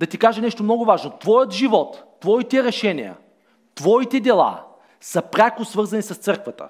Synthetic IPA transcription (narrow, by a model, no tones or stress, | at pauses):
d̪ɐt̪ikaʒɐnɛʃt̪omnɔɡʊvaʒnot̪vɔjət̪ʒivɔt̪ːvɔit̪ɛɾɛʃɛnijə̰ | t̪vɔit̪ɛd̪ɛlˠa̰ | sɐpɾʲakʊsvɤɾzɐnisɐst̪sɤɾkvət̪ə̰